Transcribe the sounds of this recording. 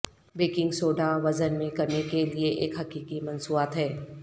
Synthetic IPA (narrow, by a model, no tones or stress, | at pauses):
beːkɪ̃ŋɡsoːɖaʋɐzənmẽkɐɾnekelieʔeːkɦɐkiːkimɐnsuːat̪ɦɛː